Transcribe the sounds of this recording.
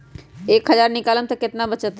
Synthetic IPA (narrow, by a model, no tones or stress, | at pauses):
eːkɦəd͡ʒaːɾnikaləmt̪əket̪nabət͡ʃət̪